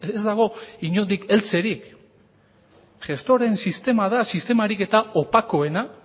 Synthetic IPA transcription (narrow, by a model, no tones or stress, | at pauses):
ezd̪aɣ̞o̞iɲo̞nd̪ike̞lt͡se̞ɾik | ʝe̞st̪o̞ɾe̞nsist̪e̞mað̞asist̪e̞maɾike̞t̪aopako̞e̞na